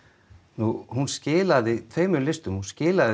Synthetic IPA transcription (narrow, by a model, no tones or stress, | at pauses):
nuhunscɪːlaðɪt̪ʰveːjmʏlɪst̪ʏmhunscɪːlaðɪ